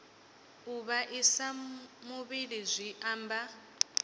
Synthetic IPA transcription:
uβaʔisamuβilizʷiʔaːmba

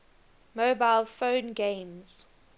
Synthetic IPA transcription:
mobaɪlfõʊnɡẽɪmz̥

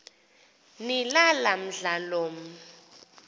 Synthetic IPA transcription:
nilalam̩ɮaloːm̩

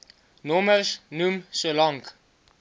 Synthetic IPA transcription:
nɔməlsnumsolɔŋk

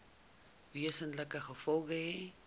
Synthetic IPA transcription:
viəsənləkəχəfɔlˠɡəɦe

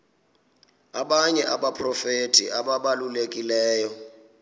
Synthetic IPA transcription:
aɓaɲɛʔaɓapʰʼrɔfetʰʼḭʔaɓaɓalulekʼilɛːjɔ

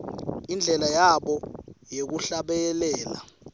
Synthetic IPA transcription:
ind͡ɮʱɛlajaɓɔjek̬uɬaɓɛlɛːla

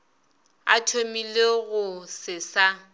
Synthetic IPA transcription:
a̰tʰomileɣʊsɪsa

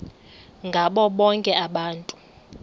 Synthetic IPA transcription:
ŋɡʱaɓɔɓɔŋkʼɛaɓaːntʼu̥

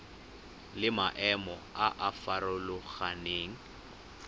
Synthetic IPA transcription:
lɪmaʔɛmɔaʔafaɾʊlʊɣaneːŋ̩

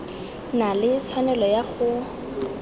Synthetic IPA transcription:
nalɪt͡sʰwanɛlɔjaχʊ

